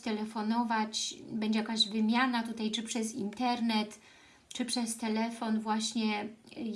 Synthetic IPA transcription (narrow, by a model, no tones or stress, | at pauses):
t̪ɛlɛfɔnɔvat͡ɕbɛɲd͡ʑɛjakaʑvɘmʲjanat̪ut̪ajt͡ʂɘpʂɛzint̪ɛɾnɛt̪ | t͡ʂɘpʂɛst̪ɛlɛfɔnvwaɕɲɛ